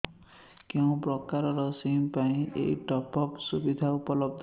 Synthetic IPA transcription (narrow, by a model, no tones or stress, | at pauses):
kew̃pɾɔkaɾɔɾɔsimpaĩʔḛjʈɔpɔpsubid̪ʱaupɔlɔbd̪ʱ